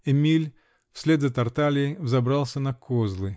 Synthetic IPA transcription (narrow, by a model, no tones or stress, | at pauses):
ɛmʲilʲ | fsʲlʲed̪zət̪ɐrt̪alʲɪːvzɐbɾalˠsʲənɐkʰozlˠɨ